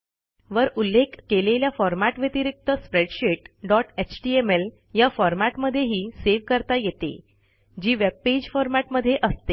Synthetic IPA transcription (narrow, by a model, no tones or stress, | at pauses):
ʋəɾulːekːeleljafɔɾmaʈʋjət̪iɾik̚t̪əspɾeɽɕeʈɖɔʈet͡ɕʈiemel | jafɔɾmaʈməd̪ʱːjeɦiːseʋkəɾt̪ajet̪ḛ | d͡ʑiːʋeb̚ped͡ʑfɔɾmaʈməd̪ʱːjeʔəst̪e